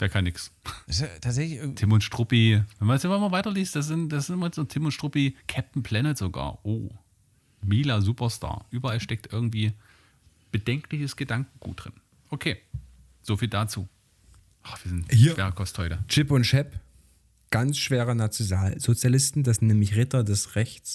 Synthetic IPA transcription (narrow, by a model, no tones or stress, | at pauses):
d̥aːɐkʰanːɪksɛstʰaːtzɛçlɪçʔɪtʰɪmʊntʃtʁ̥ʊpivɛnmandasɪmamɐvaɪtɐliːst̚d̥as̬z̥ɪntd̥aszɪnɪmaz̥oːtʰɪmʊntʃtʁ̥ʊpikʰɛp̚tn̩pʰl̥ɛnətz̥oɡa̰ːɐʔoː | miːlazuːpɐsta̰ːɐʔyːbɐalʃtɛk̚tʔɪɐɡŋ̩tv̥iː | b̥ədɛŋklɪçəsɡ̥ədaŋkŋ̩ɡ̥ṵːt̚d̥ʁ̥ɪn | ʔokʰeː | z̥ofiːldat͡suː | ʔav̥iːɐzɪnthiːɐveːʁəkʰɔsthɔʏtət͡ʃɪpʊntʃɛp | ɡ̥ant͡sʃv̥eːʁənat͡sjonaːlzot͡sjalɪstn̩d̥asnnɛːmlɪçʁɪtɐdɛsʁɛçt͡s